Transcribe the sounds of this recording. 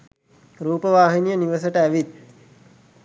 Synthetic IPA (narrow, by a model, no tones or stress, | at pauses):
ɾuːpəʋaːɦinijəniʋəsəʈəæʋit̪̚